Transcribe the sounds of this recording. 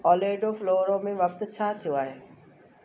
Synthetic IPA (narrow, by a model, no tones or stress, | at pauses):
ɔːleːɖofloːɾõmẽʋɐk̚t̪t͡ɕʰaːt̪ʰijoaːɦeː